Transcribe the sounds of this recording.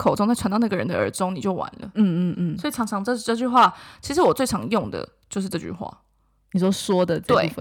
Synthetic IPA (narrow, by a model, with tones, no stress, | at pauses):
kʰo˨˩ʊʈ͡ʂo˥ŋt͡sʰa˧˥nt̪ɑ˥˧na˥˩ɡə˩ɻə̰˧˦nd̪ə̰˧ə̰˞˧˥ʈ͡ʂʊ˥ŋni˨˩t͡ɕjo˥˩ʊwa̰˧˦nlə̰˨n̩˥˧˥swɔ˧˥i˨˩ʈ͡ʂʰɑ˧˥ŋʈ͡ʂʰɑ˧˥ŋʈ͡ʂə˥˧˥ʈ͡ʂɤ˥˧t͡ɕy˥˧xwa˥˩t͡ɕʰi˧˥ʂɻ̩˧˥wɔ˨˩t͡swe˥˩ɪʈ͡ʂʰɑ˧˥ŋjʊ˥˩ŋd̪ə̰˩ | t͡ɕjo˥˧ʂɻ̩˥˩ʈ͡ʂɤ˥˧˩t͡ɕy̰˥˩xwa̰˥˩ | ni˨˩ʂwo˥swɔ˥d̪ə˨t̪we˥˩ɪ